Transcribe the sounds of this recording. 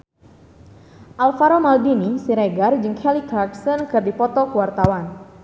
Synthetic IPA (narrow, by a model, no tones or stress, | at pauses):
ʔalfaɾomaldinisiɾeɡard͡ʒɨŋkʰɛlikɾaksənkɨrdipɔt̪ɔkəwart̪awan